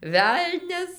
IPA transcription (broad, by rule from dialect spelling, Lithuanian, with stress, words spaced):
ˈʋʲɛlʲnʲɛs